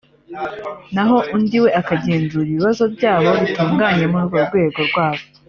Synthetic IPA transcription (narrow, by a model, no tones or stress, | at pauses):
naɦo̞ʔundiwe̞akaɟeːnzuiβiβazo̞bɟaːβo̞βituːŋɡaɲe̞muɾuɡoɾɡwe̞ːɡo̞ɾɡwaːβo